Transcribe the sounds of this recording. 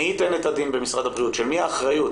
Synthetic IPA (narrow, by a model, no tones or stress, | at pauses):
hit̪enet̪ad̪inbemisʁad̪abʁiutʃelmiaːχʁajut